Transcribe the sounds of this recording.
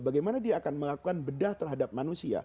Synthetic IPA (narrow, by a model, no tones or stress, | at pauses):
baɡajmanadiaːkanməlakukanbədaht̪ərɦadap̚manusia̰